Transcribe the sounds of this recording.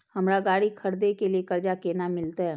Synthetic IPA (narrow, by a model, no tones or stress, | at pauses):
hɐmɾaɡaːɽikʰɐɾd̪ekeliekɐɾd͡ʒakeːnamɪlt̪aɦɛː